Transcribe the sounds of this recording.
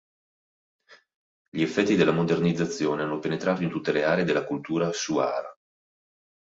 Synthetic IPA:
ʎiefːɛt̪ːid̪elːamod̪ernid̪zːat̪sːjoːneanːopenet̪ɾaːt̪oint̪ut̪ːeleaːɾeːd̪elːakult̪uːɾasua̰ːɾa̰

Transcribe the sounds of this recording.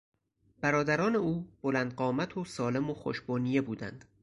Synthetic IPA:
b̥æɾɒːd̪æɾɒːne̞uːb̥olænd̪̚ɢɒːmæt̪ʰosɒːle̞moxo̰ʃbɒːnije̞buːd̪æ̰nd̪̥

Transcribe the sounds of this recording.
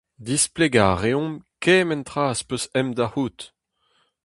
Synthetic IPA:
d̪ispleɡaːʁeɔ̃mkɛːmɛ̃nt̪ʁaːspøsɛmd̪ahuːt̪

